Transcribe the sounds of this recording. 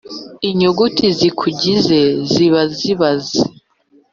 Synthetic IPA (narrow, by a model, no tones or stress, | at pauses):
iɲoɡutʰizikʰuɟizeziβaziβaze